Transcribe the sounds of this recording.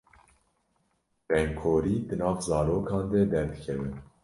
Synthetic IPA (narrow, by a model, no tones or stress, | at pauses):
b̥ɛŋkʰoːɾiːd̪ɨnɑːvzɑːɾoːkʰɑːnd̪ɛd̪ɛɾd̪ɨkʰɛvɨn